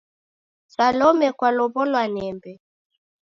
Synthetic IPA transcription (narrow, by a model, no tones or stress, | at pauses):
salɔmɛkwalɔβɔlwanɛmbɛ